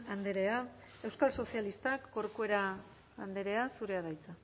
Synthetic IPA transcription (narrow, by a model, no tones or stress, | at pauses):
and̪eɾe̞a | e̞wskalso̞sialist̪akːo̞ɾkue̞ɾa | and̪e̞ɾe̞asuɾe̞aðajt͡sa